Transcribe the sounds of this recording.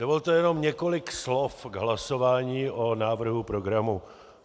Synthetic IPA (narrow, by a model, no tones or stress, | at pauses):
dovolt̪ojɛno̞mɲɛko̞lɪkslofɡɦlaso̞vaːɲiːʔonaːvr̩ɦupɾoɡɾamu